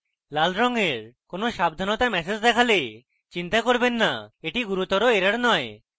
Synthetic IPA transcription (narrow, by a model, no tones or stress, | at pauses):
lalɾɔŋeɾkonoʃab̚d̪ʱanot̪amɛsed͡ʑd̪ɛkʰale | t͡ɕint̪akoɾbenːaeʈiɡuɾut̪ɔɾoeɾaɾnɔe